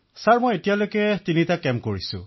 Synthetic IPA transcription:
saɹmojetijalojkɛtinitakɛmkoɹisʊ̰̃

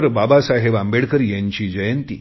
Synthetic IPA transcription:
ɾbabasaɦeʋãmbeɽkəɾjaɲt͡ɕiːd͡ʑəjənt̪ḭ

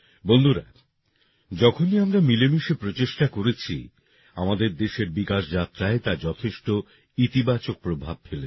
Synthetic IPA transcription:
bond̪ʱuɾa̰ | d͡ʑɔkʰoniamɾamilemiʃepɾot͡ɕeʃʈakoɾet͡ɕʰḭ | a̰mad̪eɾd̪eʃeɾbikaʃd͡ʑat̪ːɾaet̪ad͡ʑɔt̪ʰeʃʈo | it̪ibat͡ɕok̚pɾobʱab̚fele

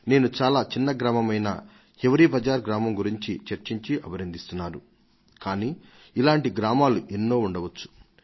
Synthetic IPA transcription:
ne̞ːnut͡ʃaːlaːt͡ʃinːɐɡɾaːmɐmɐjnɐ̰ | heʋɐɾipɐd͡ʒaːɾɡɾaːmɐmɡuɾiɲt͡ʃit͡ʃɐɾt͡ʃiɲt͡ʃiʔɐbʱɐɾɐnd̪ist̪unːaːɾu | kaːniː | ilaːɳʈiɡɾaːmaːluʔenːo̞ːuɳɖɐʋɐt͡ʃːu̥

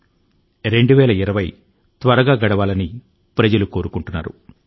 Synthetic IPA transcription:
ɾe̞ɳɖuʋɛːlɐiɾɐʋɐj | t̪ʋɐɾɐɡaːɡɐɽɐʋaːlɐni | pɾɐd͡ʒɐlukoːɾukuɳʈunːa̰ːɾṵ

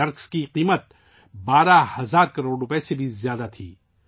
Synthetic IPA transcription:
ɐɾkskiqiːmət̪̚ | baːɾahɐzaːɾkɐɾoːɖʊpesebʱizjaːd̪at̪ʰḭː

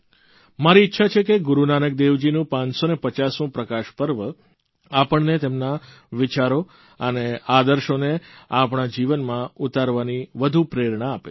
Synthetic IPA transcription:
maɾiːtːʃʰat͡ʃʰekeɡʊɾunanək̚d̪eʋd͡ʒinũpãɲsonepət͡ʃasũpɾəkaʃpəɾʋə | apəɳnet̪emna | ʋɪt͡ʃaɾo | ənead̪əɾʃoneapɳ̃ad͡ʒiʋənmãut̪aɾʋaniʋəd̪ʱupɾeɾɳaːpḛ

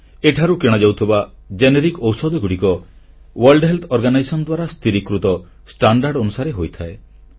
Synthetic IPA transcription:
eʈʰaɾukeɽ̃ɔd͡ʒawt̪ʰiba | d͡ʒeneɾikɔwsɔd̪ɔɡuɽikɔ | waɾlɖɦelt̪ʰɔɾɡanajsɔnɔd̪waɾast̪ʰiɾikɾut̪ɔ | sʈaɳɖaɾɖɔnusaɾeɦojt̪ʰae

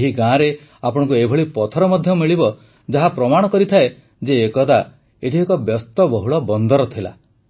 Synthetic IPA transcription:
ɦiɡãɾe | apɔɽ̃ɔ̃ŋkuebʱɔɭipɔt̪ʰɔɾɔmɔd̪ʱjɔmiɭibɔ | d͡ʒaɦapɾɔmaɽ̃ɔkɔɾit̪ʰae | d͡ʒeːkɔd̪a | eʈʰiekɔbjɔst̪ɔbɔɦuɭɔbɔnd̪ɔɾɔt̪ʰila̰

